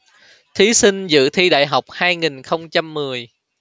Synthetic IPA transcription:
t̪ʰi˨˦sï˧ŋ̟zɨ̰˧˨t̪ʰi˧ɗa̰ː˧˨jɦa˨˩wk͡p̚haː˧jŋi˨˩ŋxə˧wŋ͡mt͡ɕa˧mːɨ˨˩əj

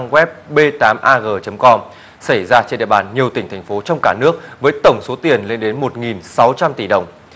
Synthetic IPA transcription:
ŋɣwɛ˦˥p̚ɓe˧t̪aː˨˦mʔaː˧ɣəː˨˩t͡ɕə˨˦mkɔ˧m | sa˧˩jzaː˧t͡ɕe˧nɗḭ˧˨əɓa̰ː˧˨˩nɲi˨˩əwt̪ï˧˩ŋ̟t̪ʰɛ˨˩ŋ̟fo˨˦t͡ɕɔ˧wŋ͡mka̰ː˧˩nɨ˦˥ək̚vəː˨˦jt̪ə˧˩wŋ͡mso˨˦t̪i˨˩ənle˧nɗe˨˦nmo˨˩t̚ŋi˨˩nsa˨˦wt͡ɕa˧mt̪i˧˩ɗə˨˩wŋ͡m

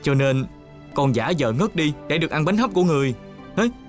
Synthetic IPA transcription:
t͡ɕɔ˧ne˧n | kɔ˧nzaː˧˦zə̰ː˧˨ŋə˦˥t̚ɗi˧ɗe˧˩ɗɨ˨˩ək̚ʔa˧nɓa˨˦jŋ̟ɦə˦˥p̚ku˧˩əŋɨ˨˩əj | hə˨˦j

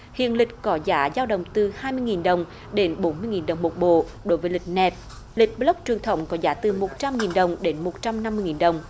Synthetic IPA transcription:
hḭ˧˨ənlï˨˩k̟̚kɔ˨˦zaː˨˦zaː˧wɗə̰˧˨wŋ͡mt̪ɨ˨˩haː˧jmɨ˧jŋi˨˩nɗə˨˩wŋ͡m | ɗe˨˦nɓo˨˦nmɨ˧əjŋi˨˩nɗə˨˩wŋ͡mmo˨˩t̚ɓo̰˧˨ | ɗo˨˦jvəː˨˦lï˨˩k̟̚nɛ˨˩t̚ | lï˨˩k̟̚ɓlə˦˥k͡p̚t͡ɕwi˨˩əŋt̪ʰə˨˦wŋ͡mkɔ˨˦zaː˨˦t̪ɨ˨˩mo˨˩t̚t͡ɕa˧mŋi˨˩nɗə˨˩wŋ͡mɗe˨˦nmo˨˩t̚t͡ɕa˧mna˧mːɨ˧jŋi˨˩nɗə˨˩wŋ͡m

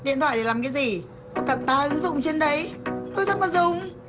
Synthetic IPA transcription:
ɗḭ˧ənt̪ʰwa̰ː˧˨˩i˨˩laː˨˩mkaː˨˦jzi˨˩ | kɔ˨˦ka˨˩p̚t̪aː˨˧˦ʔɨ˨˦ŋzʊ̰˧˨ŋ͡mt͡ɕe˧nɗə˨˦jno˧˦jzə˦˥maː˨˩zʊ˨˩ŋ͡m

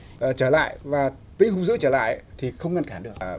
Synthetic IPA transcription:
t͡ɕəː˧˩la̰ː˧˨jʔvaː˨˩ | t̪i˨˦hu˧zɨ̰˧˥t͡ɕəː˧˩la̰ː˧˨jt̪ʰi˨˩xə˧wŋ͡mŋə˧˩nkaː˧˩nɗɨ˨˩ək̚

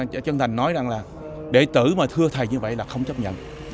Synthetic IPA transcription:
t͡ɕə˧nt̪ʰa˨˩ŋ̟nɔ˨˦jza˨˩ŋlaː˨˩ | ɗe˧˩t̪ɨ̰˧˩maː˨˩t̪ʰɨ˧ət̪ʰə˨˩jɲɨ˧və̰˧˨jlaː˨˩xə˧wŋ͡mt͡ɕə˦˥p̚ɲə̰˧˨n

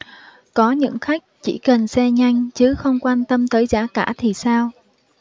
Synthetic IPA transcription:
kɔ˨˦ɲɨ̰˧˥ŋxa˦˥jk̟̚t͡ɕḭ˧˩kə˨˩nsɛ˧ɲa˧jŋ̟t͡ɕɨ˨˦xə˧wŋ͡mkwaː˧mt̪ə˧mt̪əː˨˦jzaː˧˥kaː˧˩t̪ʰi˨˩saː˧w

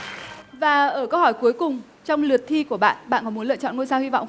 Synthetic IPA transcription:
vaː˨˩ʔəː˧˩kə˧whɔ˧˩jku˨˦əjkʊ˨˩ŋ͡m | t͡ɕɔ˧wŋ͡mlɨ˨˩ət̚t̪ʰi˧ku˧˩əɓa̰ː˧˨nɓa̰ː˧˨nkɔ˨˦mu˨˦lɨ̰˧˨t͡ɕɔ̰˧˨nŋo˧jsaː˧hi˧vɔ̰˧˨wŋ͡m

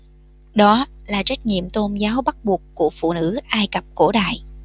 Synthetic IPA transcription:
ɗɔ˨˦laː˨˩t͡ɕa˦˥k̟̚ɲḭ˧˨əmt̪o˧nzaː˨˦wɓa˦˥t̚ɓu˨˩əkːu˧˩əfṵ˧˨nɨ̰˧˥ʔaː˧jkə˨˩p̚ko˧˩ɗa̰ː˧˨j

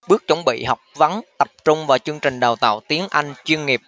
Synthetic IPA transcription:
ɓɨ˦˥ək̚t͡ɕə˧˦wŋ͡mɓḭ˧˨hɔ˨˩wk͡p̚va˨˦nt̪ə˨˩p̚t͡ɕʊ˧ŋ͡mvaː˨˩t͡ɕɨ˧əŋt͡ɕï˨˩ŋ̟ɗa˨˩wt̪a̰ː˧˨wt̪i˨˦ənʔa˧jŋ̟t͡ɕwi˧ənŋi˨˩əp̚

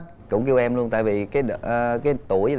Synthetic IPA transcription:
t̚kʊ̰˧˥wŋ͡mki˧əwʔɛ˧mlu˧ənt̪a̰ː˧˨jvi˨˩kaː˨˦jɗkaː˨˦jt̪u˧˩əj

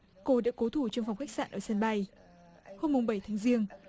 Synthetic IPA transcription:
ko˧˩ɗa̰˧˥ko˨˦t̪ʰu˧˩t͡ɕŋfa˨˩wŋ͡mxa˦˥k̚sa̰ː˧˨ʔəː˧˩sə˧nɓa˧j | ho˧mːʊ˨˩ŋ͡mɓə˧˩jt̪ʰaː˨˦ŋzi˧əŋ

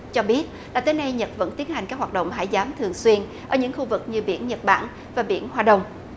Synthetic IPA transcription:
t͡ɕɔ˧ɓi˦˥ət̚ | laː˨˩t̪əː˨˦jna˧jɲə˨˩t̚və̰˧˥nt̪i˨˦ənha˨˩ŋkaː˦˥k̚wa˨˩t̚ɗə̰˧˨ŋ͡mɦa̰ː˧˥˩jzaː˨˦mt̪ʰɨ˨˩əŋswi˧ənʔə̰ː˧˩ɲɨ̰˧˥ŋxu˧vɨ˨˩k̚ɲɨ˧ɓḭ˧˥ənɲə˨˩t̚ɓa̰ː˧˩n | vaː˨˩ɓḭ˧˥ənhwaː˧ɗə˨˩wŋ͡m

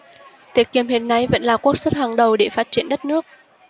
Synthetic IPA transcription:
t̪i˨˩ət̚ki˨˩əmhɦi˨nːa˨˧˩jvə̰˧˥nlaː˨˩ku˦˥ək̚sə˦˥t̚haː˨˩ŋɗə˨˩wɗe˧˩faː˦˥t̚t͡ɕi˧˩ənɗə˦˥t̚nɨ˦˥ək̚

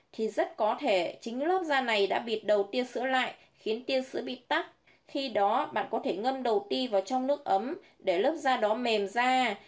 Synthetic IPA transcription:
t̪ʰi˨˩zə˦˥t̚kɔ˨˦t̪ʰe˧˩t͡ɕï˨˦ŋ̟ləː˦˥p̚zaː˧na˨˩jɗa̰ː˧˥ɓḭ˨˩ət̚ɗə˨˩wt̪i˧əsɨ̰˧˥əla̰ː˧˨j | xi˨˦ənt̪i˧ənsɨ̰˧˥əɓḭ˧˨t̪a˦˥p̚ | xi˧ɗɔ˨˦ɓa̰ː˧˨nkɔ˨˦t̪ʰe˧˩ŋə˧mɗə˨˩wt̪i˧vaː˨˩wt͡ɕɔ˧wŋ͡mnɨ˦˥ək̚ʔə˨˦m | ɗe˧˩ləː˦˥p̚zaː˧ɗɔ˨˦me˨˩mzaː˧

